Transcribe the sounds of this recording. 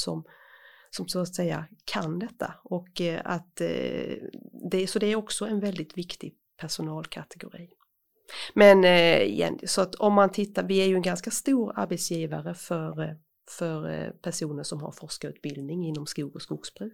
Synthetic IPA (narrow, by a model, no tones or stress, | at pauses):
sɔmsɔmsoat̪sɛjːa̰kʰand̪ɛt̪ːa̰ɔka̰t̪ | d̪ɛsɔd̪ɛæɾɔksɔɛnvɛld̪ɪt̪vɪkt̪ɪ | pʰæʂʊnɑːlkʰat̪ʰɛɡʊɾḭː | mɛn̰jɛ̰nsɔat̪ʰɔmːant̪ʰɪt̪ːavɪæɾjɵɛnɡanskast̪uːɾa̰ɾbɛt̪sjiːvaɾəfœɾ | fœɾpʰæʂuːnəʂɔmha̰ɾfɔʂkaʉ̟ːt̪̚bɪld̪nɪŋɪnːɔmskuːɡɔskʊɡsb̥ɾʉː